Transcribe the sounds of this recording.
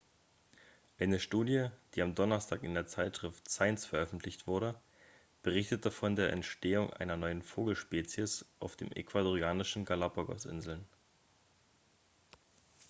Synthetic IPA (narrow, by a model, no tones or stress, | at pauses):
ʔaɪnəʃtuːdjəd̥iːamdɔnɐstʰaːkɪndeːɐt͡saɪtʃʁ̥ɪftsaɪnsfɛɐʔœfn̩tʰlɪçtv̥ʊɐɾə | b̥əʁ̞ɪçtətʰəfɔndeːɐʔɛ̰ntʃteːʊŋʔa̰ɪnɐnɔʏənfoːɡl̩ʃpeːt͡siəsʔaʊfd̥ḛːmʔḛkv̥adoʁiaːnɪʃn̩ɡalapoɡɔ̰sʔɪ̰nzl̩n